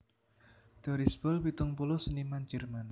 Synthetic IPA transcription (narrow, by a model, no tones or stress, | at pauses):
d̪̥ɔɾisbɔlpit̪ʊŋpulɔsənimand͡ʒɛrman